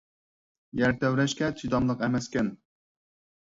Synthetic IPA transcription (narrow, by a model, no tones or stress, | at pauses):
jæɾt̪ɛwɾɛʃkʲɛt̪ʰid̪ɑmlˠəqɛmɛskʲɛn